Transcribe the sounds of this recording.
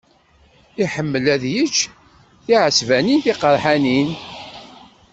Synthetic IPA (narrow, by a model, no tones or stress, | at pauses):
iħəmːəlæðjət͡ʃː | θiʕəsvæninθiqəɾˤħanin